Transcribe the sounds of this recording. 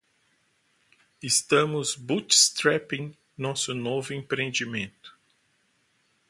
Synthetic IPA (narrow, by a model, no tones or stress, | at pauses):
ɪst̪ɐ̃mʊzbut͡ʃst̪ɾɛpĩŋ | nɔsʊnovʊẽmpɾẽnd͡ʒimẽnt̪ʊ̥